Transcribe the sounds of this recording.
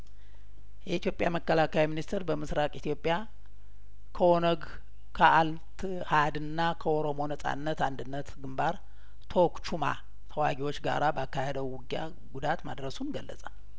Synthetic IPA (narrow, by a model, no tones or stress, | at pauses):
jɛit̪ijo̞pʼjaməkːəlakʰajminist̪ʰɛɾbəmɨsɾakʼit̪ʰijo̞pʼːja | kʰəo̞nəɡ | kʰəʔal | t̪ʰ | had̪ɨnːakʰəoɾo̞mo̞nəsʼa̰nːət̪and̪ɨnːət̪ɡɨmbaɾ | t̪ʰo̞kt͡ʃuma̰ | t̪ʰəwaɡiwot͡ʃːɡa̰ɾabəakːahed̪əwwʊɡja̰ | ɡud̪at̪mad̪ɾəsumɡəlːə̰sʼal